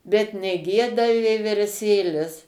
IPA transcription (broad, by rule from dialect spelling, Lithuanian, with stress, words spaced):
bʲɛt nʲɛˈɡʲiɛdɐ ʋʲiɛʋʲɛrʲˈsʲeːlʲɪs